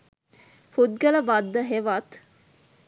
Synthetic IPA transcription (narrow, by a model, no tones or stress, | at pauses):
fud̪̚ɡɐləʋɐd̪ːəɦeʋat̪